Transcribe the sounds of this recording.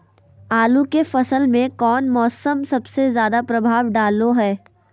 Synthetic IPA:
aːlukefɐsəlmẽkɔːnmɔːsəmsɐbsezjaːd̪apɾɐbʱaːʋɖaːloɦɛː

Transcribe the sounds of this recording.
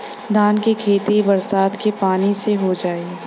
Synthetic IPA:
d̪aːnkekʰeːt̪ibɐɾsaːt̪kepaːniseɦod͡ʒaːe

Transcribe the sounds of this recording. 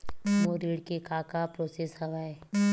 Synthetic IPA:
moɾiːɽkekaːkapɾoːseːsɦɐʋaːe

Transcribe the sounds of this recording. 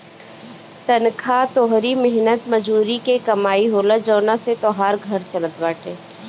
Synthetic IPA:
t̪ənkʰat̪oːɦɾimɪɦnət̪məd͡ʒuːɾikekɐmaːiɦoːləd͡ʒoːnaset̪ɔːɦaːɾɡʱəɾt͡ʃələt̪ʋaːʈeː

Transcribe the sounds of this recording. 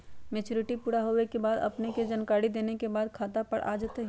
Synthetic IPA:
meːt͡ʃoːɾɪʈipuːɽaɦoekebaːd̪ɐ̰pneked͡ʒankaːɽid̪eːnekebaːd̪kʰaːt̪apɐɽʔa̰ːd͡ʒət̪eɦ

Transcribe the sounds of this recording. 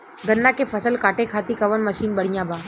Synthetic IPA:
ɡənːakefʰəsəlkaʈekʰat̪ikəʋənməʃiːnbəɽ̤ijãba

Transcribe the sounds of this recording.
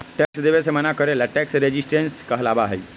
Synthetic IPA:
ʈɛksd̪eʋesemənakəɾelaʈɛksɾed͡ʑisʈenskəɦlabaɦḛj

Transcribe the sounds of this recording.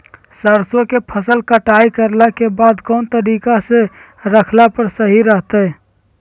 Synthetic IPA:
səɾsõkepʰəsəlkəʈaːikəɾlakebaːd̪kɔːnt̪əɾiːkase | ɾəkʰlapəɾsəɦiɾəɦt̪ɛ

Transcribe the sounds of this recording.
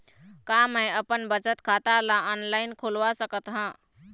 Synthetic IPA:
kaməjəpənbət͡ʃət̪kʰat̪alaɔnlainkʰulʋasəkət̪ɦə̃

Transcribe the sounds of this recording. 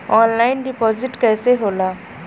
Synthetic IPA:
ɔːnlaɪnɖipɔzɪʈkɛːseɦoːla

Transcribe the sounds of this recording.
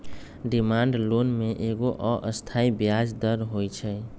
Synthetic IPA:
ɖimaɳɖlonmeʔeɡoʔɔʔəst̪ʰaibjad͡ʒd̪əɾɦojt͡ʃʰɛ

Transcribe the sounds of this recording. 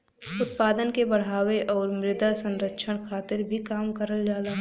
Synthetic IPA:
ʊt̪̚paːd̪ənkebəɽ̤ɦaːweʔɔːɾmɾɪd̪asə̃nɾəkʃʰəɽ̃kʰaːt̪ɪɾbʱikaːmkəɾəld͡ʒaːlaɦ

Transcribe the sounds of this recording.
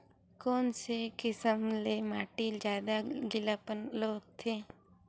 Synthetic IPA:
koːnsekɪsəmlemaːʈid͡ʒjaːd̪aɡɪlapənloːt̪ʰːeː

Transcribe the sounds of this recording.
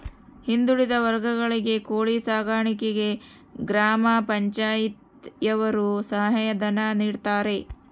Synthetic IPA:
hind̪uɽid̪ɐʋɐɾɡɐɡɐɭiɡe̞koːɭisaːɡaːɳikɛɡe̞ | ɡɾaːmapɐɲt͡ʃaːjit̪ | jɐʋɐɾusɐɦɐɦɐjɐd̪ɐnaniːɽt̪aːɾe̞

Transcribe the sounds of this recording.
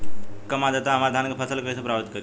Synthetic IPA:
kəmad͡ʒat̪aəmaɾd̪ʱankepʰəsəlkəisʰepɾabit̪kəɾi

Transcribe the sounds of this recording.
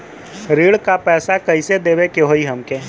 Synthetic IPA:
ɾiːɽkapɛːsakɐised̪eːʋekeɦoiɦəmkeː

